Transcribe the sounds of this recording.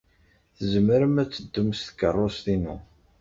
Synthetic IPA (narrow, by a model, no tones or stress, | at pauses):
θzəməɾəmæt͡sːəd̪ːəmst̪kərˤːost̪inu